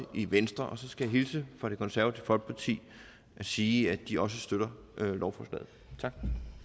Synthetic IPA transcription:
ʔiʋensd̥ʁɐʔɒ̽sɒ̽sɡ̥æjɑ̈ɦilsəfɒɾ̥e̝kʰɒ̽nsæɐæt͡sʰəfɒ̽lɡ̥̚pʰɑ̈t͡sʰḭː | ʔæsiːæd̥iʔɒ̽s̬əsd̥øɾ̥ɐ | ʔlʔɒʊfɒslɛ̰ːð̩ˠ | t͡sʰɑ̈ɡ̥

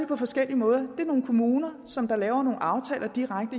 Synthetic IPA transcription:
epʰɒ̽fɒ̽sɡ̥el̰iəmɔ̽ːð̞ˠɐd̥e̝æɐno̝ːn̩kʰo̝muːnɐ | sɒ̽md̥ɑ̈lɛːʊɐno̝ːn̩ɑ̈ʊt͡sʰɛ̰ːlɐd̥iʁaɡ̥̚d̥ə

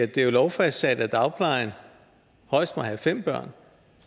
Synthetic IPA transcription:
æd̥e̝lɒʊfæssæd̥æd̥ɑ̈ʊpʰlɑ̈ɪn | hɒ̽ɪ̰sd̥̚mɑ̈hæfem̰b̥ɶɐ̰n

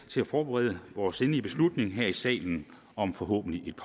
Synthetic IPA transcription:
t͡sʰe̝læfɒːb̥eʁɛ̰ːð̞ˠəʋɒːse̝nliəb̥e̝slud̥ne̝ŋɦeɐ̰isɛ̰ːln̩ | ɒ̽mfɒ̽ɦɔ̰ːb̥n̩liʔe̝d̥̚pʰ

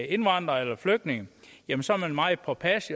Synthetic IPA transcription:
e̝nʋɑn̰d̥ʁɐelɐfløɡ̥̚ne̝ŋəjæmənsɒæɐmænmɑ̈ɪpʰɒ̽pʰæsi

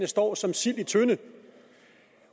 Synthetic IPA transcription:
nəsd̥ɒ̰ːsɒ̽msil̰it͡sʰønə

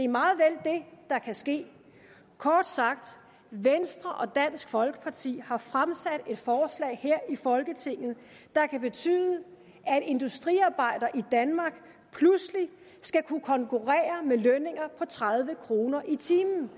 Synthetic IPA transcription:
d̥e̝ɐmɑ̈ːð̞̩ˠʋeld̥e̝d̥ɑ̈kʰæsɡ̥e̝̰ː | kʰɒːd̥sɑ̈ɡ̥̚d̥ | ʋensd̥ʁɐʔɒ̽d̥æn̰sɡ̥fɒ̽lɡ̥ə̥pʰɑ̈t͡sʰḭːhɑ̈fʁamsæd̥e̝d̥fɒːslɛ̰ːɪheɐ̰ifɒ̽lɡ̥ət͡sʰe̝ŋ̰ð̩ˠ | d̥ɑ̈kʰæb̥e̝t͡sʰy̰ːðˠə | ʔæede̝nd̥usd̥ʁiɑ̈ːb̥ɑ̈ɪ̰d̥ɐʔid̥ænmɑ̈ːɡ̥ | pʰlusli | sɡ̥ækʰukʰɒ̽ŋkʰuʁɛ̰ːɐmeløne̝ŋɐpʰɒ̽t͡sʰʁaðˠʋəkʰʁo̝ːnɐʔit͡sʰiːmn̩

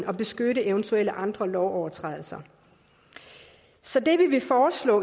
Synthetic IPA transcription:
nɒ̽b̥e̝sɡ̥øɾəeʊnt͡sʰuel̰əʔɑ̈nd̥ʁɐlɒʊɒʊɐt͡sʰʁɛðˠl̩sɐ | sɒ̽d̥e̝ʋiʋe̝fɒːslɔ̰ː

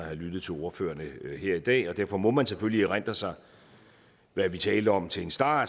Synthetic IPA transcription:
ɑhælyd̥ð̩ˠt͡sʰe̝lo̝ːɐfø̰ːɐnəheɐ̰id̥ɛ̰ːɒ̽d̥æɐfɒ̽mɒ̽mænseføl̰liʁan̰d̥ɐsɑ̈ɪ | ʋæɐʋit͡sʰɛːləɒ̽mt͡sʰe̝e̝nsd̥ɑ̰̥̈ː

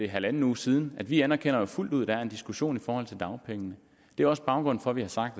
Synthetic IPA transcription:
e̝ɦælæn̩uːsiːð̞ˠn̩æd̥ʋiænɐkʰen̰ɐjo̝ful̰d̥uð̞̰ˠd̥æɐe̝nd̥isɡ̥uɕo̝̰ːnifɒːhɒ̽l̰t͡sʰe̝ld̥ɑ̈ʊpʰeŋənə | d̥e̝æɐɒ̽sb̥ɑ̈ʊɡ̥ʁɔ̽n̰fɒ̽ʋihɑ̈sɑ̈ɡ̥̚d̥

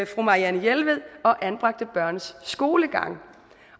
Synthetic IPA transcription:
fʁumɑ̈ʁiænəjelʋeð̰ˠɒ̽ʔænb̥ʁɑ̈ɡ̥̚d̥əb̥ɶɐ̰nsːɡ̥o̝ːləɡ̥ɑ̈ŋ̰

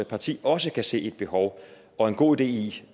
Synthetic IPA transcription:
pʰɑ̈t͡sʰḭːɒ̽səkʰæse̝̰ːe̝d̥̚b̥e̝ɦɒʊ | ɒ̽e̝nɡ̥o̝̰ːid̥e̝̰ːi

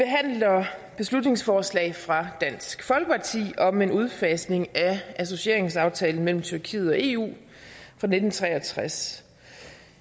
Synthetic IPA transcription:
b̥e̝ɦæn̰lɐb̥e̝slud̥ne̝ŋsfɒːslɛ̰ɪfʁɑ̈d̥æn̰sɡ̥fɒ̽lɡ̥əpʰɑ̈t͡sʰḭːɒ̽me̝nuð̞ˠfɛːsne̝ŋæʔæs̬o̝ɕie̝ɐ̰e̝ŋsɑ̈ʊt͡sʰɛːln̩mel̰m̩t͡sʰyɐkʰḭːð̩ˠɒ̽e̝ːṵː | fʁɑ̈ne̝d̥n̩t͡sʰʁɛ̰ːɒt͡sʰʁas

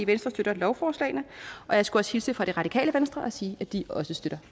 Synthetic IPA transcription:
iʋensd̥ʁɐsd̥øɾɐlɒʊfɒːslɛ̰ɪnəʔɒ̽jɑ̈ɪsɡ̥uɒ̽shilsəfɒ̽ɾ̥e̝ʁɑ̈ɾ̥ikʰɛ̰ːləʋensd̥ʁɐʔɒ̽siːæd̥iɒ̽səsd̥øɾ̥ɐ

